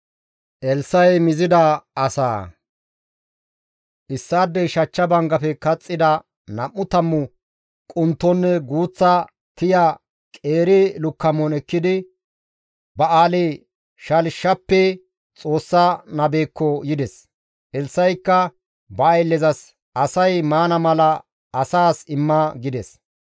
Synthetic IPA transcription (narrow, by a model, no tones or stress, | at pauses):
ʔɛlsːɐjmɪzɪd̪ɐɐsa̰ː | ʔɪsːaːd̪ːɛjʃɐt͡ʃːɐbɐŋɡɐfɛkɐt͡sʼːɪd̪ɐ | nɐmːʊt̪ɐmːʊ | kʼʊnt̪ːɔnːɛɡuːt͡sːɐ | t̪ɪja | kʼeːɾɛlʊkːɐmːɔnɛkːɪd̪ɪ | bɐaːleː | ʃɐlʃːɐpːɛ | t͡sʼo̞ːsːanɐbeːkːɔjɪd̪ɛs | ʔɛlsːɐjkːɐ | bɐːjlːɛzɐs | ɐsɐjmaːnɐmɐlɐ | ɐsaːsɪmːɐɡɪd̪ɛs